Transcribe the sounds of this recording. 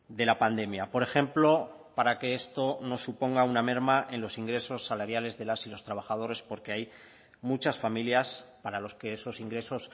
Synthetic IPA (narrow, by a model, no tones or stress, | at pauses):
d̪e̞lapand̪e̞mjapo̞ɾe̞xe̞mplo̞ | paɾake̞e̞st̪o̞no̞supo̞ŋɡauname̞ɾmaʔe̞nlo̞siŋɡɾe̞so̞sːalaɾjale̞zðe̞lasilo̞st̪ɾaβaxað̞o̞ɾe̞spo̞ɾkeaj | mut͡ʃasfamiljaspaɾalo̞ske̞eso̞siŋɡɾe̞so̞s